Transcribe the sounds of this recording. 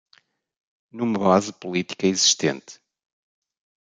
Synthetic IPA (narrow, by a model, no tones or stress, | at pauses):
numɐβazpulˠit̪i̥kɐiziʃt̪ḛ̃nt̪